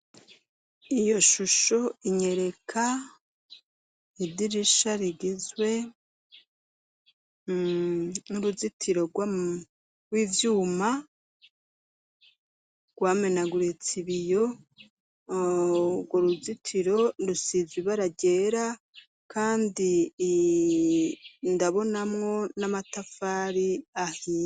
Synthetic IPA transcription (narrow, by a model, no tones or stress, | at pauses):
ijo̞ʃuʃo̞iɲe̞ɾe̞kʰa | idiɾiʃaɾiɡizwe̞ | nuɾuzitʰiɾo̞ɡw | ɡwiːvjuːma | ɡ̥waːme̞naɡuɾet͡siβijo | ɡwoɾuzitʰiɾo̞ndusiziβaɾaɟe̞ːɾa | kʰaːndi | ndaβo̞namŋo̞namatafaːɾiahi